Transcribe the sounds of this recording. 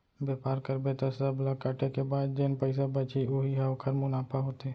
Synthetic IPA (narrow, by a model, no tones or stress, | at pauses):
beːpaːɾkəɾbet̪osɐblɐkːaːʈekebaːd̪̚d͡ʒenpəɪs̬abɐt͡ʃioɦiɦɛokʰɐɾmʊnaːpaɦoːt̪eː